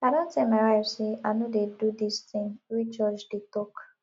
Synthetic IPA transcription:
adõn̩temaɾasɪanʊ̃dedudist̪ĩŋɾit͡ʃɔd͡ʒdɪtɔk

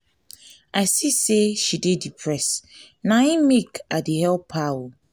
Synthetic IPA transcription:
aɪsiseʃidedipʰɹɛs | nãĩmekadihɛlpʰawo

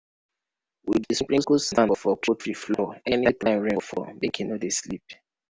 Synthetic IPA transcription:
widisiplĩskustãnɔfɔkʰotɹiflɔɛnitãɪ̃mɹẽfɔ̰bekʰɛ̃nɔteslḭp̚

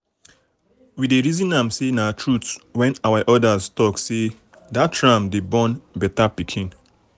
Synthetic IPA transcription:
wideɹizĩnãmsenatʰɹutwɛ̃nawaʔɔdaztɔkse | dattɹãmdebɔ̃nbɛtapikʰĩn

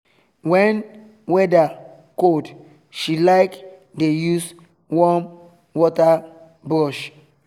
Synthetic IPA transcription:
wɛ̃n | wɛda | kod | ʃilaɪk | dejus | wɔ̃m | wɔta | bɾɔʃ

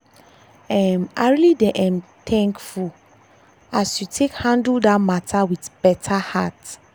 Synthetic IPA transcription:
ɛ̃ma̰ɪɹilidɛʔɛ̃mtʰɛ̃ŋkful | asjutʰekhãndəldamatʰawiθbɛtʰahat

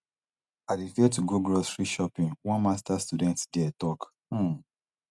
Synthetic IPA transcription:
adefiɛtuɡoɡɹɔsfɹiʃɔpĩnwɔ̃nmastastudɛ̃ntdɛtɔk̩

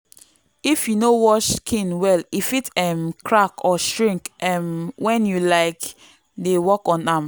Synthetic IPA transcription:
ifjunowɔʃkʰĩnwɛlifitɛmkʰɹakɔʃɹĩŋkɛmwɛ̃njulaɪk | dewɔkɔ̃nam

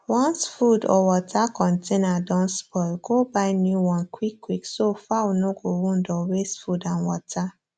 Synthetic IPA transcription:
wɔ̃nsfudɔ̰wɔtʰakʰɔ̃ntʰenadɔ̃nsbɔlɡobaɪnjuwɔ̃nkwikːwiksofawonoɡowũndɔwesfudãnwɔtʰa

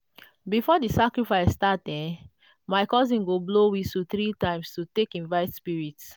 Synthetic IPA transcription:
bifɔdisakɹifaɪsːtat̚dɛ̃ | maɪkɔzĩnɡoblowisuθɹitãɪ̃mstutekĩnvaɪtspiɹits

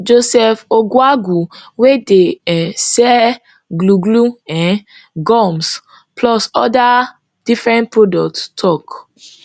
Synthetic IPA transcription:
d͡ʒosɛfoɡwaɡuwedeɛsɛ | ɡluɡluɛ̃n | ɡɔms | plɔsɔda | d̥ifɹɛ̃nt̚pɹodɔk̚ttʰɔk

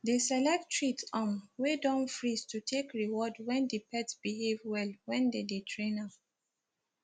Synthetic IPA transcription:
desɛlɛk̚ttʰɹitɔ̃mwedɔ̃nfɹistʰutʰekɹiwɔdwɛ̃ndipɛtsb̥iɦevwɛlwɛ̃ndedetʰɹẽna

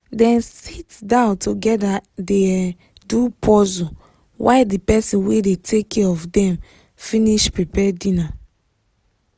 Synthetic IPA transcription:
dɛ̃nsitdãʊ̃ntuɡɛdade | dupʰɔzu | waɪdipɛsĩnwedetʰekʰːɛɔfdɛ̃m | fĩniʃpipɛdĩna

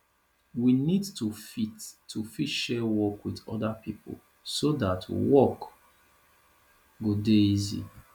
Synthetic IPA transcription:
winidtufitʰːufitʃɛwɔkwiðɔ̰dapʰipʰo̰l | sodatwɔk | ɡodeizḭ

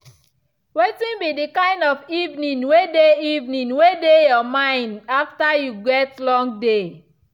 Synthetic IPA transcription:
wetĩnbidikãɪ̃ndɔfivnĩnwedeivnĩnwedejɔmãɪ̃ndaftajuɡɛtlɔ̃ŋɡde

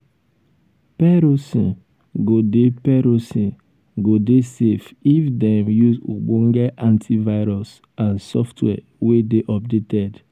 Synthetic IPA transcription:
pɛɾosḭ̃ | ɡodepɛɾosĩ | ɡodesefifdɛ̃mjuzṵɡ͡bõŋɡɛʔãntʰivaɪɾɔs | ãnsɔftʰwɛ̰ | wedeʔɔb̚detɛd

